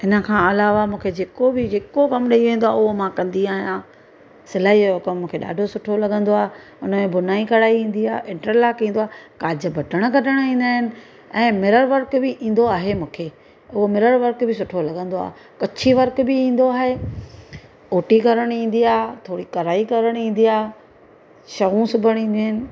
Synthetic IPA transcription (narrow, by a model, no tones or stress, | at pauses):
ɪnə̆kʰãɐlaːʋamũːkʰed͡ʑeːkobɪd͡ʑeːkokɐmɗɐiʋẽːnd̪oaːʊɦomãkɐ̃nd̪iaːɦijãː | sɪlaːɦiʊkɐmmũːkʰeɗa̰ːɖʱosʊʈʰolɐɠə̃nd̪oaːe | ʊnə̆mẽbʊnaːikɐɾaːiĩːn̆d̪iaːɦʔɪ̃ɳʈəɾlaːkĩːnd̪oaːkaːd͡ʑə̆bʱɐʈəɽ̃kɐʈəɽ̃ĩːnd̪aːɦɪnɪ̆ | ɛ̃ːmɪɾəɾʋɐɾkbɪʔĩːn̆d̪oaːɦemũːkʰeː | ʊɦomɪɾəɾʋɐɾkbʱɪs̬ʊʈʰolɐɠə̃nd̪oa̰ː | kɐt͡ɕʰiʋɐɾkbɪĩːn̆d̪oaːɦe | oːʈikɐɾəɽ̃ĩːn̆d̪iaːɦt̪ʰoːɽikɐɾaːikɐɾəɽ̃ĩːn̆d̪iaːɦ | ʃɐɣũsʊbʱəɽ̃ĩːnd̪iɦɪnɪ̆